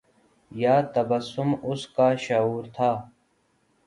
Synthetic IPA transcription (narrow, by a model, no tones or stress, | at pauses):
jaːt̪ɐbɐsʊmʊskaːʃɐuːɾt̪ʰaː